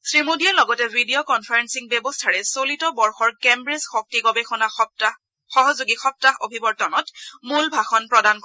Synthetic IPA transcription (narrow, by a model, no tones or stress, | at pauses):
sɹimodialɔɡɔtɛbʱidiokɔnpʰaɹensiŋbɛbɔstʰaɹɛsolitɔbɔɹxɔɹkembɹesxɔk̚tiɡɔbexɔna | xɔɦɔzuɡixɔp̚taxo̰bʱibɔɹtɔnɔtmulbʱaxɔnpɹɔdank